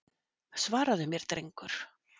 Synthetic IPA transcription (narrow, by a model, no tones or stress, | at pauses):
svaːɾaðʏmjɛɾ̥t̪ɾejŋkʏɾ̥